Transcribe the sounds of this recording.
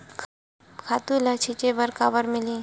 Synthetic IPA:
kʰaːt̪ulat͡ʃʰit͡ʃebəɾkaːbəɾmɪliː

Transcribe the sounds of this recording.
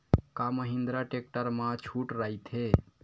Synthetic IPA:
kaməɦĩnd̪ɾaʈek̚ʈəɾmãt͡ʃʰuʈɾait̪ʰɦe

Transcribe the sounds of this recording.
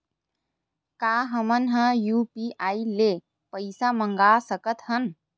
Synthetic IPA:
kaːɦəmənɦə̃juːpiʔaːile | pəɪsaməŋɡaːsəkət̪hən

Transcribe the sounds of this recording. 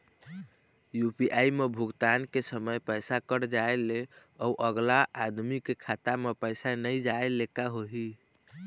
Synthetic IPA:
jupiʔaimebʱuɡt̪ankesəməjpəjsakəɾd͡ʒaele | ɔuʔəɡlaʔːd̪mikekʰat̪amepəjsanəjd͡ʒaelekaɦoɦi

